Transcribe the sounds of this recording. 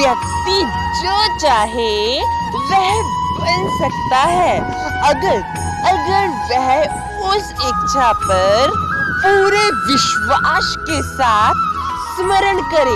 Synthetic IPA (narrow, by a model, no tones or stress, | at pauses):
ʋjəkt̪i | d͡ʑət͡ɕaɦe | ʋəɦd̪ipənsək̚t̪aɦɛ | əɡəɾ | əɡəɾʋəɦ | osekt͡ɕʰapəɾpuɾeʋiɕʋaskesat̪̚ʰsməɾəɳkəɾe